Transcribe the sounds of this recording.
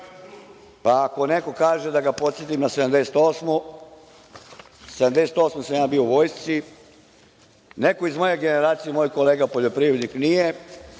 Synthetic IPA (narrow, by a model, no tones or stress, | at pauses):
paːko̞ne̞ko̞kaːʒed̪aɡapo̞t̪sʲjet̪imnased̪amd̪e̞set̪o̞ːsmo | sed̪amd̪e̞set̪o̞ːsmosamjaːbiouʋojst̪si | ne̞ko̞izmo̞je̞ɡe̞neɾaːt̪sijemoːjko̞leːɡapo̞ʎo̞pɾiʋɾed̪niknije